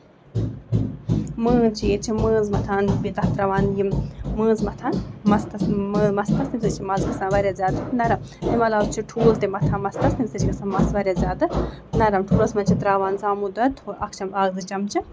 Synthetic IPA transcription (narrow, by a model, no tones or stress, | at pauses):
mə̃ːt͡ʃiet͡ʃʰimə̃ːzmɐt̪ʰaːnbit̪ɐht̪ɾaʋaːnjimmə̃ːnzmɐt̪ʰãːnmɐst̪ɐsːmɐst̪ʰɐsnimsɨt͡ʃʰimɐzkɐsãːʋɐɾʲjaːzʲjaːd̪ɨnɐɾɐm | timɐlaːwt͡ʃʰiʈʰuːlt̪emɐt̪ʰãːmɐst̪ɐst̪imsɨt͡ʃkɐsaːnmɐsʋɐɾjaːzʲjaːd̪ɨ | nɐɾɐmʈʰuːlɐsmɐnt͡ʃʰit̪ɾaːʋaːnzaːmud̪ɐt̪ʰoʔɐkʰt͡ʃʰɐmaːɡzɨt͡ʃɐmt͡ʃʰi